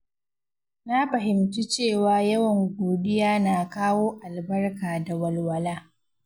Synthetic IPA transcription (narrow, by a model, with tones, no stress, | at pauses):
na˦ɸɐ˨ɦɪ˨mtu˦t͡ʃeː˦˨waː˨jɐ˦wɐ˨ŋɡʷoː˨ɗɪ˦jaː˦naː˨kaː˦woː˦ʔa˨lbɐ˦rkaː˨da˨wɐ˨lwɐ˦laː˦